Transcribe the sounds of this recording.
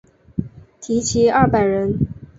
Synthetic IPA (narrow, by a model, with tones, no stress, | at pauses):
t̪ʰi˧˥t͡ɕʰi˧˥ɐ˥˩pa˨˩ɪɻə˧˥n